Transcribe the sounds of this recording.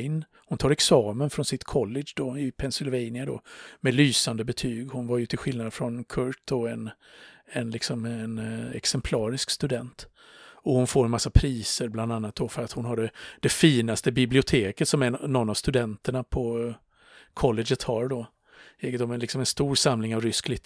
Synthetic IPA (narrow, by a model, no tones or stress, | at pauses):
ɪn | hʊnt̪ʰɑːɾɛksɑːmənfɾɔnsɪt̪kʰɔlːɛʂd̪ɔɪpʰɛnsɪlvɛjnɪad̪ɔ̰mɛlyːsand̪əbɛt̪ʰyːɡhʊnvaɾjɵt̪ʰɪlɧɪlnad̪fɾɔnkʰɵɾʈ̚d̪ɔɛn | ɛnlɪksɔmɛnɛ̰ksɛmpʰlɑːɾɪskst̪ɵd̪ɛnt̪ | ɔhʊnfoːɾɛnmasːapʰɾiːsəɾbland̪anːat̪̚d̪ɔfœɾat̪hʊnɦaɖ̪ɛd̪̥ɛfiːnast̪əbɪblɪʊt̪ʰeːkət̪sɔmɛnːɔnːavst̪ɵd̪ɛnt̪əɳapʰɔ | kʰɔlːɛɡət̪hɑɾɖɔ | ɛːɡət̪ɔmɛnlɪksɔmɛnst̪uːɾsamlɪŋavɾʏsklɪɡt̪